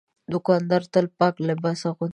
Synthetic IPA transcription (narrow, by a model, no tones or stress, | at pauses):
d̪ʊkɑnd̪ɑɾt̪əlpɑklabasaɣʊ